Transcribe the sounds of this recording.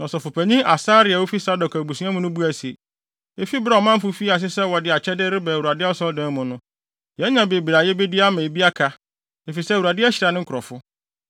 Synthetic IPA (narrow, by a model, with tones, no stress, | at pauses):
nɔ̃˨sɔ˨fʊ˨pʰæ˨ɲĩ˦ʔa˨saː˦ɾɪ˨a˨wo˦fi˦sa˦dɔ˨kʰæ˨bu˨sũ˨˦ã˦mʊ̃˦nʊ̃˦bu˦æ˨si˨e˨ | e˦fi˦bɾa˨ɔ˨mã˦m̩˦fʊ˦fi˦a˨s̬ɪ˦sɛ˦wɔ˨dɪ˨˦a˨t͡ɕʰɛ˦dɪ˦ɾɪ˦bɛ˨u˨a˨dɪ˦a˦sɔ˦ldɛ̃˦mʊ̃˨nʊ̃˦ | jɛ̃˨˦ɲã˨be˨bɾa˨jɛ˦be˦di˦a˦mɛ̃˨bi˦a˦kʰa˦ | e˨fi˨sɛ˦˨u˨a˨dɪ˦æ˦ɕɪ˨ɾa˨nɪ̃˦ŋ̩˦kʰɾɔ˨fʊ˦